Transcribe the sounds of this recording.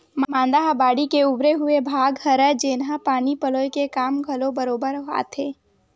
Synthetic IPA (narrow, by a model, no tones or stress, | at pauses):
mmãːnd̪aːɦbaːɽikeʊbɾeɦʊebʱaːɡhɐɾəd͡ʒeːnɦapaːnipəloːikekaːmɡʱɐlobəɾoːbəɾɦa̰ːt̪ʰeː